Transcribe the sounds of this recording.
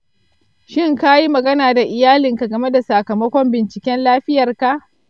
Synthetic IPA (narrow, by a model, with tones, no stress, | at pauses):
ʃɪ˦ŋka˦ji˦mɐ˨ɡɐ˦naː˨da˨ʔɪ˨jaː˦lɪ˨ŋka˨ɡɐ˨me˦da˨sa˨kɐ˨mɐ˦kʷɔ˦mbɪ˨nt͡ʃɪ˨kʲɛ˦nlaː˦ɸɪ˦jɐ˨rka˨ʔ